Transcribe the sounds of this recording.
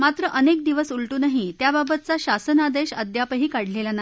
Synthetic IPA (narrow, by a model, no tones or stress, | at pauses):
mat̪ɾəʔənek̚d̪iʋəsulʈuːnaɦit̪jababət̪̚t͡saɕasənad̪eɕəd̪japəɦiːkaɽ̤lelana